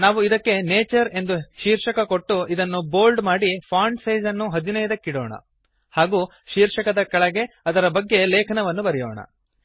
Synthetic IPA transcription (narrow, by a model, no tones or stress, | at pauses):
naːʋuid̪ɐkːe̞neːt͡ʃɐɾe̞nd̪uʃiːɾʂɐkɐko̞ʈːuid̪ɐnːuboːlɖmaːɽipʰaːɳɖsɐjd͡ʒɐnːuɦɐd̪inɐjɐd̪ɐkːiɽoːɳɐ̰ | haːɡuː | ʃiːɾʂɐkɐd̪ɐkɐɭɐɡe̞ | ɐd̪ɐɾɐbɐɡːe̞leːkʰɐnɐʋɐnːubɐɾɛjo̰ːɳɐ̰